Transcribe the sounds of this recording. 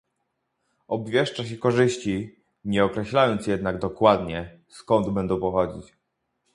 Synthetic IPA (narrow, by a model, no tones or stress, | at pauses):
ɔbvʲjɛʂt͡ʂaɕ̬ɛkɔʐɘɕt͡ɕi | ɲɛɔkɾɛɕlajɔnt̪sjɛd̪naɡd̪ɔkwad̪ɲɛ | skɔnd̪bɛnd̪ɔ̃w̃pɔxɔd͡ʑit͡ɕ